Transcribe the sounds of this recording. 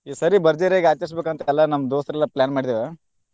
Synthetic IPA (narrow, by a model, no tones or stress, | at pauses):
isɐɾibɐɾd͡ʒeɾaːɡaːt͡ʃɐɾs̬beːkɐnt̪ɐɛlːɐnɐmːd̪oːsɾɛlːɐplʲaːnmaːɽid̪eːʋe